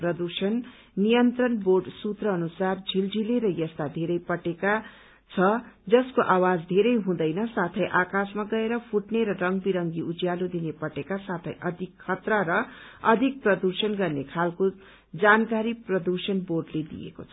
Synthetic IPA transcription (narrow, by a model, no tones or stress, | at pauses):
prʌd̪usʌnː | ijʌnt̪rʌnborɖsut̪rʌːnusard͡zʱild͡zileɾʌjʌst̪ad̪ʱeɾʌjpʌʈeka | t͡sʰʌd͡zʌskoʔawad͡zd̪ʱeɾʌjɦũd̪ʌjnʌsat̪ʰʌjʔakasmaɡʌeɾʌpʰuʈneɾʌrʌŋɡbiɾʌŋɡiʔud͡zjalod̪inepʌʈekasat̪ʰʌ̰jʔʌd̪ʱikʰːʌt̪rʌɾʌʌd̪ʱik̚prʌd̪ursʌnɡʌrnekʰalko | d͡zankaɾiprʌd̪usʌnborɖled̪ḭjḛko̰t͡sʰʌ̥